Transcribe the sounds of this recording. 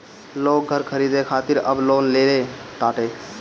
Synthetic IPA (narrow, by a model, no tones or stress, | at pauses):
loːk̚ɡʱəɾkʰəɾiːd̪ekʰaːt̪ɪɾə̰bloːnleːleʈ̪aːʈeː